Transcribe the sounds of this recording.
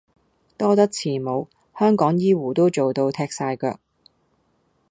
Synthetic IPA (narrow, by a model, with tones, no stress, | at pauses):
t̪ɔː˥t̪ɐ˥k̚t͡sʰiː˨˩mo˨˧w | hœː˥ŋkɔː˨˥ŋjiː˥wuː˨˩t̪o˥wt͡so˨wt̪o˧wt̪ʰɛː˧k̚saː˧jkœ̰ː˧k̚